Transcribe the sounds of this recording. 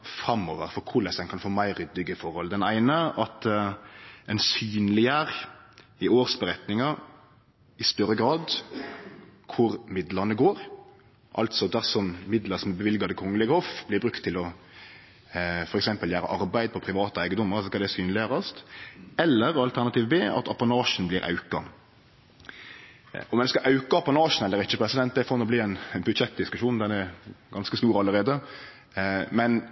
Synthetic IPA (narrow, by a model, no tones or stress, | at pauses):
fɾɑmːoːʋəɾfɔɾkʰʊɾlɛsɛnkʰɑnfoːmæɪɾːʏd̪ːɪɡəfɔɾhɔld̪ɛnæɪnəʔɑt̪ | ɛnsyːnlɪəɾɪoːɾsbəɾɛt̪nɪŋɑɾ | ɪst̪œɾəɡɾɑːd̪ | kʰʊɾmɪd̪ləɾnəɡoːɾ | ʔɑ̰lt̪sɔd̪æʁsɔmmɪd̪ləsɔmɛbəʋɪlɡɑd̪əkʰɔŋːəlɪɡəhofb̥lɪbɾʉkt̪ʰːɪlɔ | fɔɾɛksɛmpəljæːɾə̰ʔɑɾbæɪd̪̚pʰɔpʰɾɪʋɑːt̪əæɪɡəd̪ɔmːəɾɑsɔskɑd̪ɛsyːnlɪəʁəst̪ɛlːəɾɑlt̪ʰæʁnɑt̪ʰiːʋbeːʔɑ̰t̪ʰɑpɑnɑːʂn̩blɪɾʔɑ̰ʉkɑ | ɔmɛnskɑʔɑʉkəɑpɑnɑːʂn̩ɛlːəɾɪt͡ʃːəpʰɾɛsɪd̪ɛnt̪̚d̪ɛæɪfɔnɔbliːɛnbʉt̪ʃɛt̪̚d̪ɪskʉʃuːnnd̪ɛnɛɡɑnskəst̪uːɾɑlːəɾeːd̪ə | mɛn